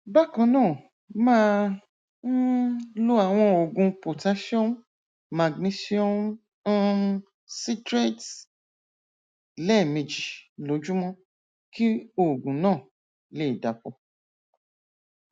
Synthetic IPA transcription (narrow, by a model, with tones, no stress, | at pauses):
ba˦kɔ̃˨˧nãː˦˨ | mãː˦ | n̩˦lu˦a˦˨w̃ɔ̃˧o˨ɡũ˧po˨ta˨˦ʃi˦o˦n | ma˨ɡni˦si˦o˦˨m˦ | si˦tɾe˦t | lɛ˦˨mẽ˨d͡ʒi˨lo˨˦d͡ʒu˦mɔ̃˧ | ki˦o˦˨ɡũ˨nãː˦˨ | le˦i˨da˨pɔ˧